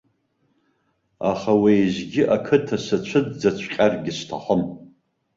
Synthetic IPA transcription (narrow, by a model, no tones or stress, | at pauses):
a̰χawejzʷɡʲɪʔakʰɨtʰasat͡ɕʷʰɨdd͡zat͡ɕʷʰqʲʼarɡʲɪstʰa̰ħəm